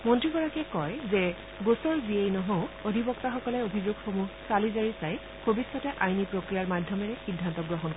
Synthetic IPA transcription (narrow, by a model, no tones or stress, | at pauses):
mɔntɹiɡɔɹakɛkɔjzɛ | ɡosɔɹbiejnɔɦõʊodʱibɔk̚taxɔkɔlɛobʱizoɡxomusalizaɹisaj | bʱobisːɔtɛʔajnipɹokɹijaɹmadʱjɔmɛɹɛxidʱːantɔɡɹɔɦɔnkɔ